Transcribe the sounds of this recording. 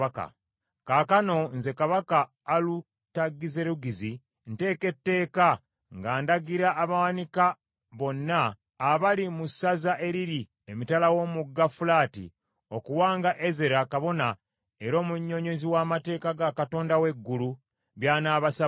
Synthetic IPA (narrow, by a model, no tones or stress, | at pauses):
aka̰ | kakano̞nze̞kaβakaː | lu | taɡːize̞ɾuɡizi | nte̞ːke̞tːe̞ːka | ŋɡaːndaɡiɾaʔːβawanika | βo̞nːaː | βalimusazaʔe̞ɾiɾi | emitalawo̞muɡːafulaːtḭ | o̞kuwaːŋɡaʔeze̞ɾakaβo̞na | e̞ɾo̞ːmuɲːo̞ɲo̞ziwaːmate̞ːkaɡakato̞ːndawe̞ɡːulu | βjaːnaːβasa